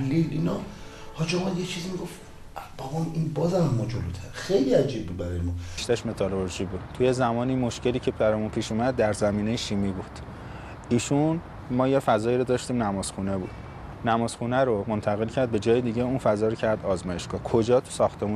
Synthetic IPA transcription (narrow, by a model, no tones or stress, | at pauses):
lːilinɒ | hɒd͡ʒeomæd̪jet͡ʃʰizimiɡof | bæbɒminbɒːzæmæmːɒd͡ʒolot̪ʰæɾxejliæd͡ʒiːb̚bibæɾɒjemɔʃt̪æʃme̞t̪ʰɒloɾʒiːbuːd̪̥t̪ʰujezæmɒːniːmo̞ʃce̞liːcʰebæɾɒːjunpʰiːʃuːmæd̪ːæɾzæmiːnejeʃimibud̪̥ | ʔiːʃun | mɒːjefæzɒːjiːɾod̪ɒːʃt̪iːmnæmɒːz̥xune̞bṵd̪̥ | næmɒːzxunæɾomo̞nt̪ʰæɣe̞lcʰæɾd̪̚be̞d͡ʒɒːjed̪iːɟeunfæzɒːɾocʰæɾd̪ɒːzmɒːje̞ʃɡɒːkʰo̞d͡ʒɒːt̪ʰu̥sɒːxt̪e̞mu